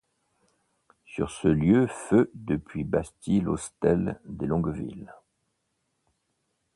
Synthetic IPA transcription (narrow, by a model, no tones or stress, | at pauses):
sy̰ʁsəljøfød̪əpʰɥibast̪ilost̪ɛld̪elɔ̃ɡvḭl